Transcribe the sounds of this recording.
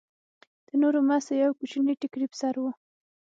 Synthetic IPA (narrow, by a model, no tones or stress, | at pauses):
d̪̥ənoɾomasojawkut͡ʃiniʈikɽipsaɾwu